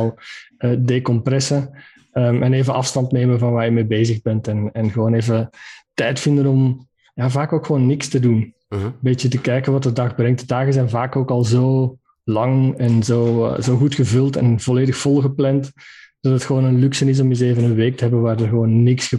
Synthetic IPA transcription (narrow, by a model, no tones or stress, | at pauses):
lˠəːdekɔmprɛsə | əːmʔɛneːvəɑfstɑntneːməvɑnʋaːɹjəmeːbeːzəɣbɛntɛnɛnɣəʋoːneːvətɛjtfɪndənɔm | jaːvaːkoːkxəʋoːnːɪkstədun | əmbeːtjət̬əkɛjkənʋɑtdədɑxbrɛŋt̚dədaːɣəzɛjnvaːkoːkɑlˠzoː | lɑŋɛnzoːzoːɣutxəvɵlˠtɛ̰nvɔleːdəxfɔlˠɣəplɛntd̥ɑtətxəʋoːnənlyksənɪs̬ɔmjəzeːvənənʋeːk̚təɦɛbənʋaːrdərɣəʋoːnːɪksxə